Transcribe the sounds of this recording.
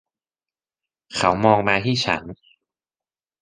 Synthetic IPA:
kʰa˦˥wmɔː˧ŋmaː˧t̪ʰiː˥˩t͡ɕʰa̰˦˥n

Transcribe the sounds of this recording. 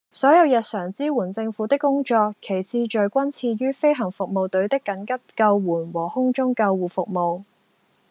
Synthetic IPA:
sɔː˨˥jɐ˨˧wjɐ˨t̚sœː˨˩ŋt͡siː˥wuː˨˩nt͡sɪ˧ŋfuː˨˥t̪ɪ˥kːʊ˥ŋt͡ʃɔː˧kʰe˨˩jt͡sʰiː˧t͡ʃɵ˨˩ɥkʷɐ˥nt͡sʰiː˧ɥyː˥fe˥jɦɐ˨˩ŋfʊ˨k̚mo˨wt̪ɵ˨˥ɥt̪ɪ˥kːɐ˨˥nkɐ˥p̚kɐ˧wwuː˨˩nwɔː˨˩hʊ˥ŋt͡ʃʊ˥ŋkɐ˧wwuː˨˩fʊ˨k̚mo˨w

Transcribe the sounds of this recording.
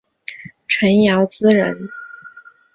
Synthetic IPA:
ʈ͡ʂʰwə˧˥njɑ˧˥ʊt͡sɹ̩˥ɻə̰˧˥n

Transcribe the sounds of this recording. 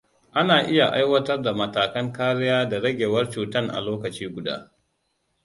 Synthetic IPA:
ʔa˦naː˨ʔɪ˦ja˨ʔa̰˦jwɐ˦tɐ˦rda˨mɐ˨taː˨kɐ˦ŋkaː˦ɾɪ˦jaː˦da˨ɽɐ˦ɡʲeː˨wɐ˦rt͡ʃuː˨tɐ˦ŋʔa̰˨loː˦kɐ˨t͡ʃiː˦ɡʷʊ˨da̰ː˦

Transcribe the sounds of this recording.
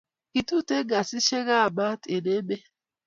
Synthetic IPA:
ki˨tu˦te˦ɡa˨si˦ʃe˦ɣa˦˨ba˦te˨ne˦be˦

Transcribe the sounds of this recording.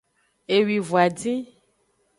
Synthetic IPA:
e˨wi˨vu˨a˨dĩ˦

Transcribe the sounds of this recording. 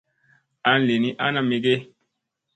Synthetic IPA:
a˨˦n˦le˨ni˦ʔa̰˦na˦mi˨ɡe˦

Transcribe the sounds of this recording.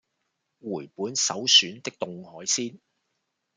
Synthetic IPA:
wuː˨˩jpuː˨˥nsɐ˨˥wsyː˨˥nt̪ɪ˥k̚t̪ʊ˨ŋhɔː˨˥jsiː˥n

